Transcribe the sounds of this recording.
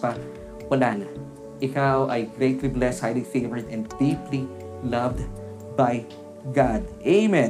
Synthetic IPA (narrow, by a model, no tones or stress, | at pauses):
pɐ | wɐlaːnɐ | ʔɪkawʔɐjɡɾejt̪liblɛshajlifejvɛɹd̪ɛ̃nd̪̚d̪ipli | lɐvd̪ | baj | ɡad̪̚ʔeɪmɛ̃